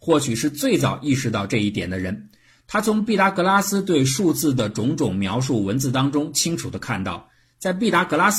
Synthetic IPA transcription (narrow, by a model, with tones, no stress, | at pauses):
xwɔ˥˩ɕʰy˨˩ʂɻ̩˥˧t͡swe˥˩ɪt͡sɑ˨˩ʊi˥˩ʂɻ̩˧˥t̪ɑ˥˧ʊʈ͡ʂɤ˥˧i˥˩t̪jɛ˨˩nd̪ə˦ɻə˧˥n | t̪ʰa˥t͡sʰʊ˧˥ŋpi˥˩t̪a˧˥kɤ˧˥la˥sɹ̩˥t̪we˥˧ɪʂu˥˧t͡sɹ̩˥˩d̪ə˩ʈ͡ʂʊ˧˥ŋʈ͡ʂʊ˨˩ŋmjɑ˧˥ʊʂ̬u˥˩wə˧˥nt͡sɹ̩˥˧t̪ɑ˥ŋʈ͡ʂʊ˥ŋt͡ɕʰi˥ŋʈ͡ʂʰu˨˩d̪ə˦kʰa˥˩nt̪ɑ̰˥˩ʊ | t͡sa˥˧ɪp̬i˥˩t̪a˧˥kɤ˧˥la˥s